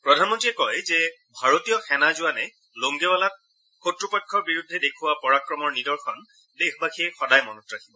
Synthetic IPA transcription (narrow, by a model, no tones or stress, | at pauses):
pɹɔdʱanmɔntiɛkɔjzɛ | bʱaɹotijɔxɛnazʊanɛ | loŋɡɛwalat̚ | xotɹupɔkʰːɔɹbiɹudʱːɛdekʰʊwapɔɹakɹɔmɔɹnidɔɹxɔn | dexbakʰiɛxɔdajmɔnɔtɹakʰibɔ